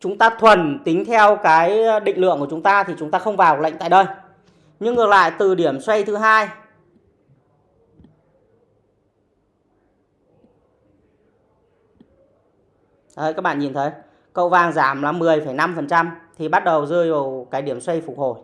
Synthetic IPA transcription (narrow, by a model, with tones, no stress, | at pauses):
t͡ɕʊ˨˦ŋ͡mt̪aː˧t̪ʰwə˨˩nt̪ï˨˦ŋ̟t̪ʰɛ˧wkaː˨˦jɗḭ̈˧˨ŋ̟lɨ̰˧˨əŋku˧˩ət͡ɕʊ˨˦ŋ͡mt̪aː˧t̪ʰi˨˩t͡ɕʊ˨˦ŋ͡mt̪aː˧xə˧wŋ͡mvaː˨˩wklə̰˧˨ŋ̟t̪ːjɗə˧˩j | ɲɨ˧ŋːɨ˨˩ək̚la̰ː˧˨jt̪ɨ˨˩ɗi˧˩əmswe˧jt̪ʰɨ˨˦ɦaː˧j | t̪ə˨˦jkaː˦˥k̚ɓa̰ː˧˨ɲi˨˩nt̪ʰə˨˦j | kə̰˧˨wvaː˧˩ŋzaː˧˩mla˨˦mːɨ˨˩əjfə˧˩jna˧mfə˨˩nt͡ɕa˧mt̪ʰi˨˩ɓa˦˥t̚ɗə˨˩wzɨ˧jva˨˩wkaː˨˦jɗi˧˩əmswə˧jfʊ˨˩ho˧˩j